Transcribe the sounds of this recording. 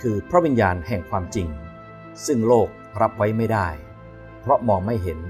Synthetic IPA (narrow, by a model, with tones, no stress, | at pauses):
kʰɯː˧pʰɾa˦˥wi˧njaː˧nhɛ˨˩ŋkʰwaː˧mt͡ɕi˧ŋ | sɯ˥˩ŋloː˥˩k̚ɾa˦˥p̚wa˦˥jma˥˩jda˥˩j | pʰɾɔ˦˥mɔː˧ŋma˥˩jɦe˩˦n